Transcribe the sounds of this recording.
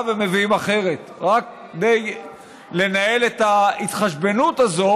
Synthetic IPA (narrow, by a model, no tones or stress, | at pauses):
veme̞viimaχe̞ʁe̞t̪ʁak̚ | d̪e̞j | le̞nae̞let̪ait̪χaʃbe̞nut̪azo̞